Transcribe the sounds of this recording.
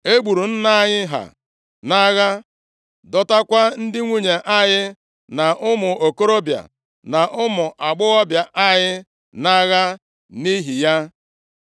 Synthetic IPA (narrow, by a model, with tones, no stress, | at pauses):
e˦ɡ͡bu˨ɾu˨n̩˦na˦a˦ɲɪ˦ɦa̰˨ | na˦ɣa˦ | dɔ˦ta˦kʷa˦n̩˦dɪ˦ŋʷu˦ɲe˨ʔa˦ɲɪ˦ | na˨ʔʊ˦mʊ˨o˨ko˦ɾo˦bja̰˨ | na˨ʔʊ˦mʊ˨ʔa˨ɡ͡bʊ˦ɣɔ˦bja˨ʔa˦ɲɪ˦ | na˦ɣa˦ | ni˦ɦi˨ja˦